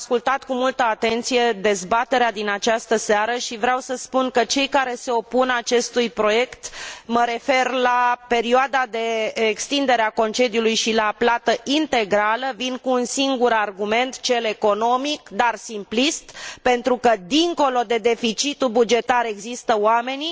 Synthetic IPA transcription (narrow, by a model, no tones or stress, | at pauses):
skult̪at̪kumult̪əat̪e̞nt̪sije̞d̪e̞zbat̪e̞ɾead̪inat͡ʃast̪əseaɾəʃivɾeawsəspunkət͡ʃe̞jkaɾe̞se̞o̞punat͡ʃe̞st̪ujpɾo̞je̞kt̪məɾe̞fe̞rlape̞ɾioad̪ad̪e̞ekst̪ind̪e̞ɾeako̞nt͡ʃe̞d̪iulujʃilaplat̪əʔint̪e̞ɡɾaləvinkuːnsiŋɡuɾarɡume̞nt̪t͡ʃe̞le̞ko̞no̞mikd̪arsimplist̪pe̞nt̪ɾukəd̪iŋko̞lo̞d̪e̞d̪e̞fit͡ʃit̪ubud͡ʒe̞t̪aɾe̞ɡzist̪əwame̞ni